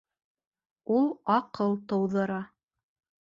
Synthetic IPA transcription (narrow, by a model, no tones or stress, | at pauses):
ulˠɑqɤlˠt̪ɤ̆wðɤ̆ɾɑ